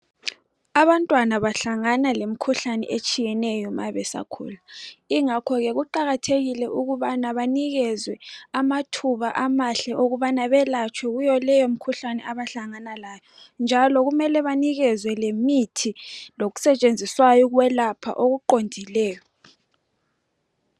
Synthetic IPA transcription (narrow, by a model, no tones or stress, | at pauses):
aβantʼwanaβaɬaŋanalem̩kʰuɬanɛ̰ʔet͡ʃʼijɛnɛjɔma̰βɛsa̰kʰṵːlaiŋakʰɔɣɛɣuǃaɣatʰeɣilɛʔuɣuβanaβaniɣɛzwɛamatʰuβaʔamaɬɛʔoɣuβanaβɛlat͡ʃʰʼwɛɣujɔlɛjom̩kʰuɬanɛaβaɬaŋanalaːjɔ | nd͡ʒʱalɔɣumɛlɛβaniɣɛzwɛlemitʰiloɣu̥sɛt͡ʃʼend͡zʱiswajɔɣwɛlapʰa̰ʔoɣuǃondʱilɛːjɔ